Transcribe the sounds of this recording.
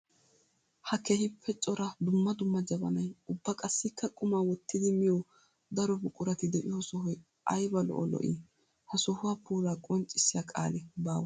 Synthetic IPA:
hɐkeːhɪpʰːɛt͡ʃʼɔɾɐd̪ʊmːɐd̪ʊmːɐd͡ʒɐbɐnɐjʊbːɐkʼɐsːɪkʰːɐkʼʊmaːwɔt̪ːɪd̪ɪmɪjɔw | d̪ɐɾɔbʊkʼʊɾɐt̪ɪd̪ɛʔɪ̰jɔsɔɦɔj | ʔɐjbɐlɔ̰ʔɔlɔ̰ʔḭ | hɐsɔhʊwaːpuːlaːkʼɔnt͡ʃʼːɪsːɪjakʼa̰ːlɛbaːwɐ

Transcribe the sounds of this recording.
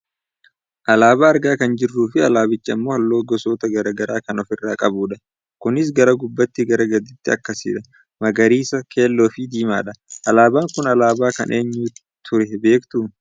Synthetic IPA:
ʔɐlaːbaːɐɾɡaːkɐnd͡ʒɪrːuːfɪɐlaːbɪt͡ʃːɐmːo̞ːhɐlːo̞ːɡɔsoːt̪ɐɡɐɾɐɡɐɾaːkɐnɔfɪrːaːkʼɐbuːᶑɐ | kʊnɪs̬ɡɐɾɐɡʊbːɐt̪ːɪɡɐɾɐɡɐd̪ɪt̪ːɪɐ̰kːɐsḭːᶑɐ | mɐɡɐɾiːsɐkʰe̞ːlːoːfɪd̪iːma̰ːᶑɐʔɐlaːbaːŋkʊnɐlaːbaːkɐ̰nʔe̞ːɲːuː | t̪ʰʊɾɛbe̞ːkt̪u

